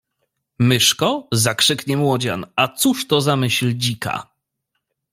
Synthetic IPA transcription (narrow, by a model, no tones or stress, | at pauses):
mɘʂkɔzakʂɘkɲɛmwɔd͡ʑa̰nat̪suʂt̪ɔzamɘɕld͡ʑika̰